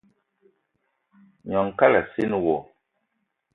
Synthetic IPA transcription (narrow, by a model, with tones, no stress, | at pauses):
ɲɔ˨ŋka˦la˨si˦nwɔ˨